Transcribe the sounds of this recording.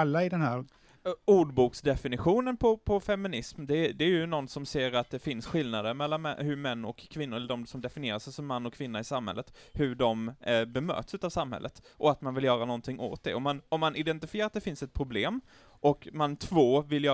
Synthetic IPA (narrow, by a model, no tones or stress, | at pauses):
lːaɪd̪ɛnhæːɾ | uːɖbuːksd̪ɛfɪnɪɧuːnənpʰɔpʰɔfɛmɪnɪsmd̪ɛd̪ɛæjɵnɔnsɔmseːɾat̪̚d̪ɛfɪnsɧɪlnad̪əɾmɛlːanmɛ̰hɵmɛnːɔkʰːvɪnːʊɾɛlːəɖɔmsɔmd̪ɛfɪnɪeːɾaʂɛjsɔmːanːɔkʰːvɪnːaɪsamhɛ̰lːət̪hɵɖɔmbɛmø̰ːt̪sʉ̟t̪ːavsamhɛ̰lːət̪ʔɔat̪manvɪljœːɾanɔnt̪ʰɪŋːʔo̰ːt̪̚d̪ɛ̰ɔmːanɔmːanɪd̪ɛnt̪ɪfɪjeːɾat̪d̪ɛfɪnsɛt̪̚pʰɾʊbleːm | ʔɔkmant̪ʰvoːvɪljœː